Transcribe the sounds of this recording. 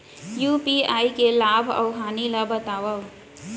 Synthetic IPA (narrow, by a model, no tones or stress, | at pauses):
jupiaikelabʱə̰wɦanilabət̪awəw